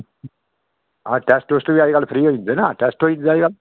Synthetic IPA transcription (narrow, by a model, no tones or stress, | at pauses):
aʈɛːsʈoːsʈ̪ubiaːiɡalpʰɾiːɦoĩnd̪enaːʈɛːsʈɦoːĩnd̪eaːjɡal